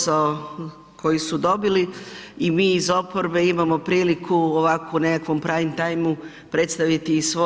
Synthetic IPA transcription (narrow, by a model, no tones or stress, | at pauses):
ao | kʰo̞jisud̪o̞biliimiːzo̞po̞ɾbe̞imamo̞pɾiːlikʰuoʋakoune̞kakʋo̞mpɾaːimt̪ajmu | pɾe̞t̪st̪aʋit̪isʋo